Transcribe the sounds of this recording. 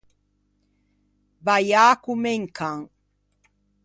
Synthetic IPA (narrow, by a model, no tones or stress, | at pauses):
bajaːkʊmeŋkʰaŋ